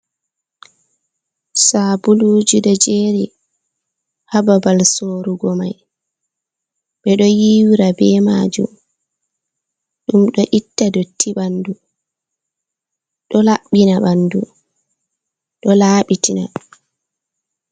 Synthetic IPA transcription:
sabulud͡ʒiɗɔd͡ʒeːɾi | hababalsoːɾuɡɔma̰j | ɓɛɗɔjiwiɾabɛmad͡ʒṵm | ɗumɗɔʔitːadotʰːiɓandu | ɗɔlaɓːinaɓandu | ɗɔlaːɓitina

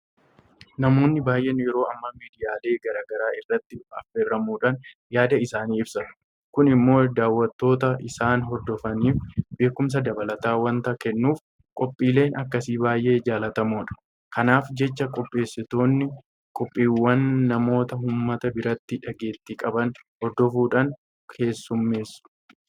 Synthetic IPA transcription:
nɐmo̞ːnːɪbaːjʔeːnjɛɾo̞ːʔɐmːɐmiːd̪ɪjaːle̞ːɡɐɾaːɡɐɾaːɪrːɐt̪ːɪɐfːerːɐmuːᶑan | jaːd̪ɐɪsaːniːɪbsɐ | kʊnɪmːo̞ːd̪aːwːɐt̪ːo̞ːt̪ɐʔɪsaːnɦɔɾd̪ɔfɐniːfbe̞ːkʊms̬ɐd̪ɐbɐlɐt̪aːwɐnt̪ɐkɛnːuːf | kʼɔpʼːiːle̞ːnʔɐkːɐsiːbaːjʔe̞ːd͡ʒaːlɐt̪ɐmoːᶑɐ̥ | kɐnaːfd͡ʒɛt͡ʃːɐkʼɔpʼːe̞ːsːɪt̪o̞ːnːɪ | kʼɔpʼːiːwːɐnːɐmo̞ːt̪ɐɦʊːmːɐt̪ɐbɪɾɐt̪ːɪᶑɐɡe̞ːt̪ːɪkʼɐbɐnhɔɾd̪ɔfuːᶑɐn | kʰe̞ːsːʊmːe̞ːsʊ̥

